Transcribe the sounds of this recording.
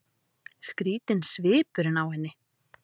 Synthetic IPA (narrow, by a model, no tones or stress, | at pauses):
skɾiːt̪ɪnsvɪːpʏɾɪnawhɛnːɪ